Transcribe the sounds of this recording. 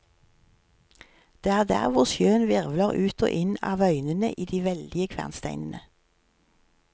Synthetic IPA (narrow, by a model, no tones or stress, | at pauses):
d̪̥eːæːʁd̪æ̰ːʁʋʊʁsjøːənʋɪʁʋləʁʉːt̪ʰo̰ːʔɪnɑ̰ːʋœʏnənə̰ʔiːd̪iːʋɛld̪ɪəkʰʋæ̰ʁnst̪æɪnənə